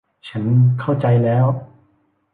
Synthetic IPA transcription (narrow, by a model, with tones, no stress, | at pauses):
t͡ɕʰa˦˥nkʰa˥˩wt͡ɕa˧jlɛː˦˥w